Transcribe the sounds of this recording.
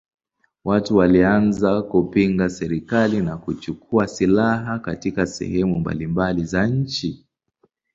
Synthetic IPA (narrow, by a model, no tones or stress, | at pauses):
watuwalianzakupiŋɡasɛɾikalinakut͡ʃukʰuasilaɦakatikasɛ̰hɛmumba̰limbalizaɲ̩t͡ʃi